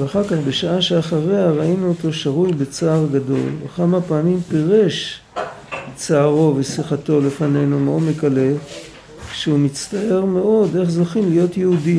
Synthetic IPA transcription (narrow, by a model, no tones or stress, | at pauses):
veaχaʁkaχbe̞ʃaaʃeaχaʁe̞aʁainuoto̞ʃaʁujbet͡saːʁɡado̞̰lvekamapaːmimpeʁe̞ʃ | t͡saːʁo̞vesiχato̞le̞fane̞jnumeo̞mekale̞ | ʃeumit͡st̪ae̞ʁme̞o̞de̞χzoχinlijo̞tjehudi